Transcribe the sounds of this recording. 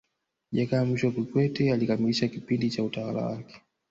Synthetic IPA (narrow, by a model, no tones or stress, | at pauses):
ʄakaːmiʃɔkikwɛtɛalikamiliʃakipindit͡ʃautawala̰wa̰kɛ̥